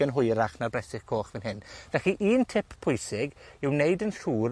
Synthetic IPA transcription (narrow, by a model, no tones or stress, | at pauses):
ənɦʊjɾaχnarbrɛsɪχkʰoːχvɪnɦɪnd̥ɛχiʔiːntʰɪpʰpʰʊjsɪɡɪwnejdənɬuːɾ